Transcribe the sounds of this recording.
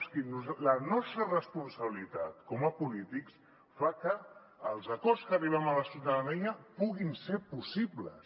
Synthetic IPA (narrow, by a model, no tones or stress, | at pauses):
sinuzlənɔst̪ɾərəspunsəβilit̪at̪kɔməpulit̪iks | fakəː | lˠzəkɔskəriβ̞ɛmələsjut̪aðəniəpuɣinsepusiblə̰